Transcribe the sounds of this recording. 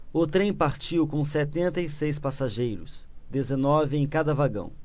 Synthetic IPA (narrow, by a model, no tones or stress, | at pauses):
ʊt̪ɾẽj̃paɾt͡ʃiwkõw̃sɛt̪ẽnt̪ɐisejspasaʒejɾʊ̰sd̪ezenɔvɪẽj̃kad̪ɐvaɡɐ̰̃w̃